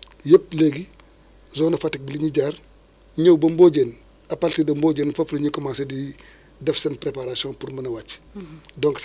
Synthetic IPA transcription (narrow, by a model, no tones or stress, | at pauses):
jepleɡi | zɔːnɐfatik̚biliɲiɟaːr | ɲowbɐmboːɟen | ɐpaltidɐmboːɟenfɐflɐɲikɔmaːnsɐdi | dɐfsɐnpɾepaɾasijɔ̃ːnpuɾmɐnɐwat͡ʃːdɔŋks